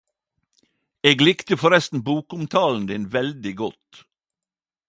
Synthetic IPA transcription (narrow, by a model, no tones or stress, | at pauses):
eːɡlɪkt̪əfɔɾɛst̪n̩buːkʊmt̪ʰɑːln̩d̪ɪːnʋɛld̪ɪɡɔt̪